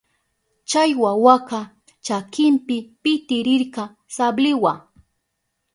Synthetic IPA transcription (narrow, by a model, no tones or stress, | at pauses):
t͡ʃajwawaqɑ | t͡ʃakɪmpɪpɪt̪ɪɾɪɾkɑ | sablɪwa